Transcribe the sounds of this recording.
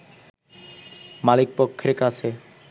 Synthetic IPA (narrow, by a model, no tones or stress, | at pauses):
malik̚pokʰːeɾkat͡ɕʰe